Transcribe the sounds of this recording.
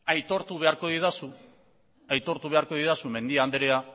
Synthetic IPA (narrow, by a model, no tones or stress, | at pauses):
ajt̪o̞ɾt̪uβ̞e̞aɾko̞ðiðasu | ajt̪o̞ɾt̪uβe̞aɾko̞ðiðasume̞nd̪iaːnd̪eɾea